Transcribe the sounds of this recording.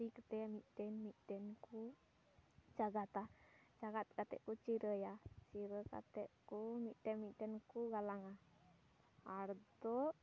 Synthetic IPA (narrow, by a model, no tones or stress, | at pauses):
ikət̪ɛamit̪ɛnmit̪ɛnku | t͡ʃaɡat̪at͡ʃaɡat̪̚kat̪ɛ̰ʔkut͡ʃiɾəjat͡ʃiɾəka̰t̪ɛʔkumiʔt̪ɛnmit̪ɛnkuɡalaŋa | aɾt̪o